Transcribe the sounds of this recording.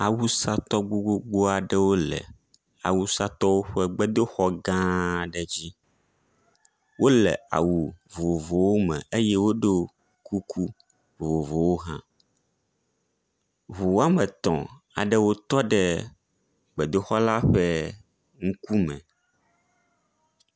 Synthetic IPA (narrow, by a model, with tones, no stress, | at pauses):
a˨wu˦sa˦t̪ɔ˦ɡ͡bo˦ɡ͡bo˦ɡ͡bo˦a˨ɖɛ˦wo˦lɛ̰˨ | a̰˨wu˦sa˦t̪ɔ˦wo˦ɸɛ˦ɡ͡bɛ˦d̪o˦xɔ˦ɡã˦ɖɛ˨d͡ʑi˦ | wo˦lɛ˨a̰˨wu˨vo˨wo˨vo˨wo˦mɛ̰̃˨e˦jɛ˦wo˦ɖo˦ | ku˦kʰu˦ | vo˨wo˨vo˨wo˦ɦã˦ | vo˨wo˦a˦mɛ˨t̪ɔ̰̃˨ | a˨ɖɛ˦wo˦t̪ɔ˦ɖɛ˦ | ɡ͡bɛ˨d̪o˦xɔ˦la˦ɸɛ˦ | ŋ̩˦ku˦mɛ̰̃˨